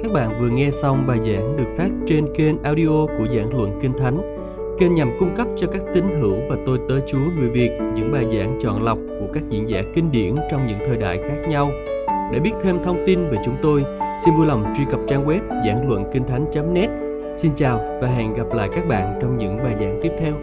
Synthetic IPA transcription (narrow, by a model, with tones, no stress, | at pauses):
kaː˦˥k̚ɓa̰ː˧˨nvɨ˨˩əŋɛ˧sa˧wŋ͡mɓaː˨˩jza̰ː˧˥ŋɗɨ˨˩ək̚faː˦˥p̚t͡ɕe˧nke˧nʔaː˧wɗi˧ʔo˧ku˧˩əza̰ː˧˥ŋlwə̰˧˨nkï˧ŋ̟t̪ʰa˨˦jŋ̟ | ke˧nɲa˨˩mkʊ˧ŋ͡mkə˦˥p̚t͡ɕɔ˧kaː˦˥k̚t̪ï˨˦ŋ̟ɦɨ˧˩wvaː˨˩t̪o˧jt̪əː˨˦jt͡ɕu˨˦əŋɨ˨˩jvi˨˩ək̚ɲɨ̰˧˥ŋɓaː˨˩jza̰ː˧˥ŋt͡ɕɔ̰˧˨nla˨˩wk͡p̚ku˧˩əkaː˦˥k̚zḭ˧˥ənzaː˧˩kï˧ŋ̟ɗi˧˩ənt͡ɕɔ˧wŋ͡mɲɨ̰˧˥ŋt̪ʰəː˨˩jɗa̰ː˧˨jxaː˦˥k̚ɲa˧w | ɗḛ˧˩ɓi˦˥ət̚t̪ʰe˧mt̪ʰə˧wŋ͡mt̪i˧nve˨˩t͡ɕʊ˨˦ŋ͡mt̪o˧jsi˧nvu˧jla˨˩wŋ͡mt͡ɕwi˧kə˨˩p̚t͡ɕaː˧ŋwɛ˦˥p̚za̰ː˧˩ŋlwə̰˧˨nkï˧ŋ̟t̪ʰa˨˦jŋ̟t͡ɕa˨˦mnɛ˦˥t̚ | si˧nt͡ɕaː˨˩wvaː˨˩ɦɛ̰˧˨nɣa˨˩p̚la̰ː˧˨jkaː˦˥k̚ɓa̰ː˧˨nt͡ɕɔ˧wŋ͡mɲɨ̰˧˥ŋɓaː˨˩jza̰ː˧˥ŋt̪i˦˥əp̚t̪ʰɛ˧w